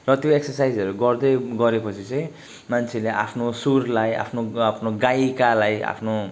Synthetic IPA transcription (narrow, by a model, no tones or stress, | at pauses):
rʌt̪joeksʌrsajd͡zʌɾuɡʌrd̪ʌjɡʌɾepʌt͡sʰit͡sʌ̃j̃ | mant͡sʰeleʔa̰pʰnosurlaja̰pʰnoapʰnoɡajkalaja̰pʰno